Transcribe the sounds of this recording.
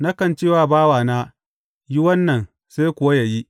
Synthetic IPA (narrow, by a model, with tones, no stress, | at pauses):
na˦kɐ˨nt͡ʃeː˦˨waː˦baː˦waː˨naː˦ | ji˦wɐ˦nːɐ˨n | se˦kʷʊ˨wa˦ja˨ji˦